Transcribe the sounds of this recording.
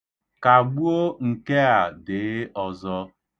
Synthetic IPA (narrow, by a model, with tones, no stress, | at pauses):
ka˨ɡ͡bu˦o˦ŋ̩˨ke˦a˨dɪ˨˦ɔ˨zɔ˦